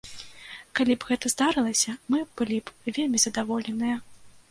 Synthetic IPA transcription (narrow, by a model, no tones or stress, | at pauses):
kalʲibɣɛt̪ɐzd̪aɾɨlˠɐsʲɐmɨb̥ɨlʲibvʲelʲmʲizɐd̪avɔlʲɛnɨjɐ